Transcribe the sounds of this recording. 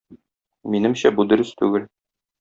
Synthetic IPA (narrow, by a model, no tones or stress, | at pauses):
minɘ̆mɕæbud̪ɵ̆ɾɘst̪ʉɡɘl